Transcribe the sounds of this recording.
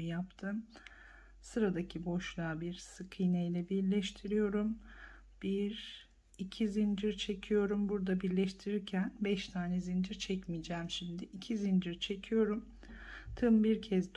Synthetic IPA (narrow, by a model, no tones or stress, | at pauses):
japt̪ʰɯm | sɯɾad̪acʰibo̞ʃlˠaːbiɾsɯkʰɯjnɛjlʲɛbiɾlʲɛʃt̪ʰiɾijo̞ɾum | b̥iɾ | icʰizind͡ʒiɾt͡ʃʰe̞cʰijo̞ɾumbuɾd̪abiɾlʲɛʃt̪ʰiɾiɾcʰænbɛʃt̪ʰaːnɛzind͡ʒiɾt͡ʃʰɛcmid͡ʒɛːmʃimd̪ɪʔicʰizind͡ʒiɾt͡ʃʰe̞cʰijo̞ɾum | t̪ʰɯmbiɾcʰɛzd̪